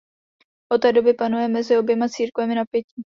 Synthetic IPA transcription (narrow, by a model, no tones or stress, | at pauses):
ʔot̪ɛdo̞bɪpanujɛmɛzɪo̞bjɛmat͡siːɾkvɛmɪnapjɛci